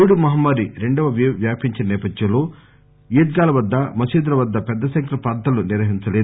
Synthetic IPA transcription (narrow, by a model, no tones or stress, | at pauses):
ɽumɐɦɐmːɐɾiɾe̞ɳɖɐʋɐʋʋjaːpiɲt͡ʃinɐnɛːpɐd̪jɐmlo̞ː | iːd̪ɡaːlɐʋɐd̪ːɐmɐsiːd̪ɾɐʋɐd̪ːɐpɛd̪ːɐʃɐŋkɾɐpaːd̪ɐluniɾʋɐɦiɲt͡ʃɐleː